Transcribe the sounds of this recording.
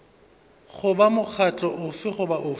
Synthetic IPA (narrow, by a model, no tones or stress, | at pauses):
χʊbamʊk͡xʰat͡ɬʼɔʔʊfɪχʊbaʔʊ